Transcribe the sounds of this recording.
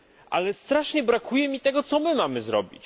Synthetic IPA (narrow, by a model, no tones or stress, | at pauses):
ʔa̰lɛst̪ɾaʂɲɛbɾakʰujɛmʲit̪ɛɡɔt̪sɔmɘmamɘzɾɔ̰bʲit͡ɕ